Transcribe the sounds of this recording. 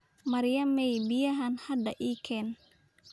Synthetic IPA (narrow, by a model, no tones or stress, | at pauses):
mɐɾɪjɐmɛjbɪjɐɦɐnhɐd̪ɐʔiːkʰɛːn